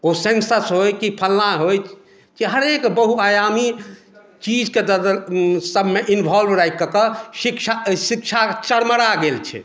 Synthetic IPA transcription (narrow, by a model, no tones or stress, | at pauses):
osensəsɦojkipʰəlːaɦojt͡ʃ | kiɦəɾekbəɦuajami | t͡ʃid͡ʒked̪əd̪əsəbʱmeʔinbʱɔlbɾajkːəkəsikt͡ʃʰasik̚t͡ʃʰat͡ʃəɽməɽaɡelt͡ʃʰɛ̰